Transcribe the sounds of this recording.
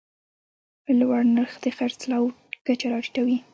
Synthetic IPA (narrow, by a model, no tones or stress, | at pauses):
lwaɽnaɾxd̪əxaɾt͡slɑw | kat͡ʃaɾɑɾiʈ̪awi